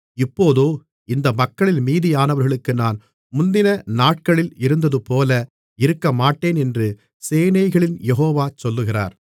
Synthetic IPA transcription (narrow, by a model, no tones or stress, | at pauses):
ɪpːoːðoː | ɪnd̪ɐmɐkːɐɭɪlmiːðɪjaːnɐʋɐɾɣɐɭɯkːɯnaːn | mʊnd̪ɪnɐnaːʈ̚kɐɭɪlɪɾɯnd̪ɐðɯpoːlɐ | ɪɾɯkːɐmaːʈːeːnɛndrɯ | seːnɐɪɣɐɭɪnjɛɦoːʋaːt͡ʃɔlːɯɣɪra̰ːɾ